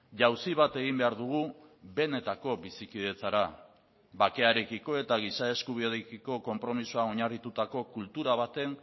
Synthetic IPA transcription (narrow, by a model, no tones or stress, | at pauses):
ʝawsiβat̪e̞ɣimbe̞aɾðuɣ̞ube̞ne̞t̪ako̞βisikiðe̞t͡saɾa | βake̞aɾe̞kiko̞e̞t̪aɣ̞isae̞skuβioðekiko̞ko̞mpɾo̞misuao̞ɲarit̪ut̪ako̞kult̪uɾaβ̞at̪e̞n